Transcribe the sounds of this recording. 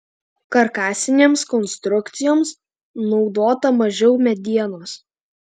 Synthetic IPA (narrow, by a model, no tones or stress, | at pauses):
kɐɾkɑːsʲɪnʲeːmskɔnst̪ɾʊkt̪sʲɪjoːms | nɒʊd̪oːt̪ɐmɐʒʲɛʊmʲɛd̪ʲiɛnoːs